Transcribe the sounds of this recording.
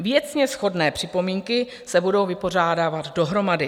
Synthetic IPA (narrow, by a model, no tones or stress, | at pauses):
vjɛt͡sɲɛsxo̞dnɛːpr̝̥ɪpo̞miːŋkɪ | sɛbudo̞wvɪpo̞r̝aːdaːvat̪do̞ɦɾo̞madɪ